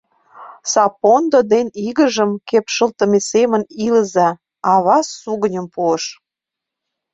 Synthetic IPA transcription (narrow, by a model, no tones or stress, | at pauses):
sɑpond̪od̪eniɣəʒəmkepʃəlt̪ə̆meseməniləzɑ | ɑβɑsːuɣənʲə̆mpuəʃ